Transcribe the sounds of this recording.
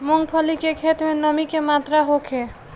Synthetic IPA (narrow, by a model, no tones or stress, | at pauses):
moŋɡpʰəlikekʰet̪menəmikemat̪ɾaɦokʰe